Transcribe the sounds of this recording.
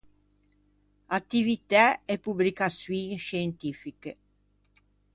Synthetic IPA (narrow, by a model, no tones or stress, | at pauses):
at̪ːivit̪ɛɛpublikaswiʃent̪ifike